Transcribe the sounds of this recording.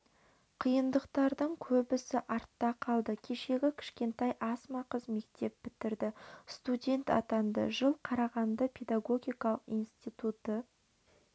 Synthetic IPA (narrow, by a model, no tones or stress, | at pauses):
qʰijənd̪əqt̪ɑɾd̪əɴkʲʰɵbɪsɪʔɑɾt̪ːɑqʰɑlˠd̪əkʲʰe̞ʃe̞ɡʲɪkʲʰɪ̥ʃkʲe̞nt̪ɑjʔɑsmɑqəzme̞kt̪e̞p̚bɪt̪ɪɾd̪ɪst̪udʲe̞nt̪ɑ̰t̪ɑnd̪ə̰ʒəlˠqʰɑɾɑʁɑnd̪əpʲʰe̞d̪aɡo̞ɡʲijkɑlˠəqijnst̪ijt̪ut̪ə